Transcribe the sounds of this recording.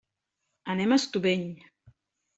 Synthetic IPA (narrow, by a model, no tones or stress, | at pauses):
ənɛmast̪uβeɲ